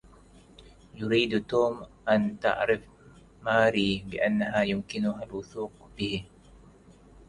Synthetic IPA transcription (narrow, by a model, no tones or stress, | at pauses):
jʊɾiːd̪t̪oːmʔant̪a̰ʕɾɪf | maːɾiːbɪʔanːaɦaːjʊmkɪnʊɦalwʊθuːqbɪh